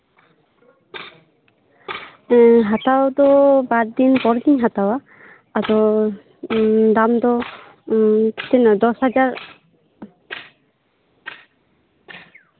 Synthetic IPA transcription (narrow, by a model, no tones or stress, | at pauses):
ɦat̪awd̪ɔbaɾd̪inpɔɾɡiɲɦat̪awaː | d̪ɔ | d̪amd̪ɔ | t̪ɛnɔd̪ɔshad͡ʒaɾ